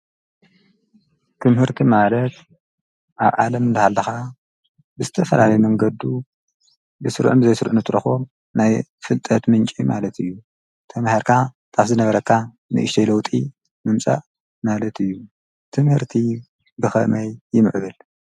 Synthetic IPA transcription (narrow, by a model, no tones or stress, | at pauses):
t̪ʰɨmhɨɾt̪ʰimalɐt̪ | ʔaβʕa̰lɐmɨnd̪ɨhalːɨxa | bɨzɨt̪ʰɐfɐlalɐjmɐŋɡɐd̪u | bɨsɨɾʕumbɨzɐjsɨɾʕunɨt̪ʼɾɨxo | najfɨlt̪ʼɐt̪mɨnt͡ʃʼima̰lɐt̪ʰɨjːu | t̪ʰɐmahiɾkʰat̪ʼafzɨnɐβɐɾɐkʰːa | nɨ̰ʔɨʃt̪ʰɐjlɐwt̪ʼi | mɨmt͡sʼa̰ʔ | malɐt̪ʰɨjːu | t̪ʰɨmhɨɾt̪ʰi | bɨxɐ̰mɐjjɪmɨ̰ʕβɨl